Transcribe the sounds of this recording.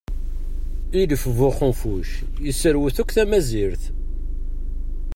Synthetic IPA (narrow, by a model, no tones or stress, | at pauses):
iləfəvʊχəmfuʃ | jəsːəɾwuθukʷːθæmæziɾθ